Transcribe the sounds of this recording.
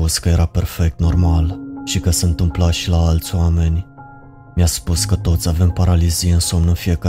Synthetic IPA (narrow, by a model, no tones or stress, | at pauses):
uskəje̞ɾape̞rfe̞k̚t̪no̞rmalʃikəsəɨnt̪ɨmplaʃilaalt̪sʲwame̞nʲ | mjaspuskət̪o̞t̪sʲave̞mpaɾalizijeɨnsomnənfije̞ka